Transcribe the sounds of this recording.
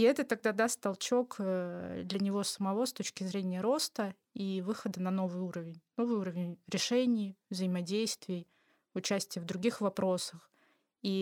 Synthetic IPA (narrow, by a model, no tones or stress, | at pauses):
iɛt̪ət̪ːɐɡ̚d̪ad̪ast̪t̪ɐlˠt͡ɕo̞kəd̪lʲənʲɪvo̞səmɐvo̞st̪o̞t͡ɕkʲɪzɾʲenʲɪjəɾo̞st̪ə | ivɨxəd̪ənɐno̞vɨjuɾəvʲɪnʲno̞vɨjuɾəvʲɪnʲɾʲɪʂɛnʲɪjvzəɪmɐdʲejst̪vʲɪː | ʊt͡ɕæsʲtʲɪjəvd̪ɾʊɡʲixvɐpɾo̞səx | i